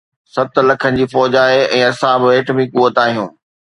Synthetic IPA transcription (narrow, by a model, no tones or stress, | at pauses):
sɐt̪lɐkʰənɪ̆d͡ʑiːfɔːd͡ʑaːɦeɛ̃ːɐsãbɪʋeːʈmĩkuːət̪aːɦijũː